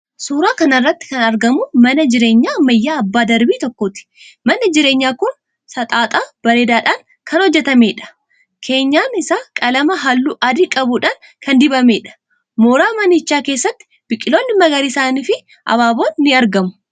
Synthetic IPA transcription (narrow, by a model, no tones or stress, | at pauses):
suːɾaːkɐnɐrːɐt̪ːɪ̥kɐnɐɾɡɐmʊmɐnɐd͡ʒɪɾeːɲːaːmɐjːaːɐbːaːd̪ɐɾbiːt̪ɔkːoːt̪ɪ̥mɐnɐd͡ʒɪɾe̞ːɲːaːkʊn | sɐt̪ʼaːt̪ʼaːb̥ɐɾe̞ːd̪aːᶑaːŋ | kʰɐnhɔd͡ʒːɛt̪ɐme̞ːᶑɐ̥ | kʰe̞ːɲːaːnɪsaːkʼɐlɐmɐɦɐlːuːʔɐd̪ɪkʼɐbʊᶑaːŋ | kʰɐnd̪ɪbɐmeːᶑɐ̥ | moːɾaːmɐnɪt͡ʃːaːkeːsːɐt̪ːɪ̥ | b̥ɪkʼːɪlo̞ːnːɪmɐɡɐɾiːsaːniːfɪ | ʔɐ̰βaːbo̞ːnːɪɐɾɡɐmʊ̥